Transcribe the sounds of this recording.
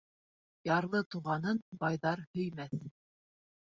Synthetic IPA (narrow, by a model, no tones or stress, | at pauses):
jɑɾlˠɤt̪uʁɑnɤnbɑjðɑɾhɵ̆jmæθ